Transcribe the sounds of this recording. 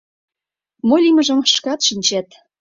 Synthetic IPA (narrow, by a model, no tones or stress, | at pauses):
molʲimə̆ʒə̆mʃkɑt̪ʃinʲt͡ɕæt̪